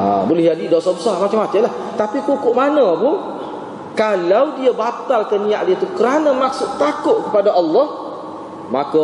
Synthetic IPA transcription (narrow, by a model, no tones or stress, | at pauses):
a̰bolɪhɦd͡ʒadidosabəsarmat͡ʃamat͡ʃ̪alaht̪apipukʊʔmanə̃pʊn | kalawdiabat̪alkanĩaʔdiat̪ukəɾanəmaksʊʔt̪akʊʔkəpadaʔɑlːɑh | maka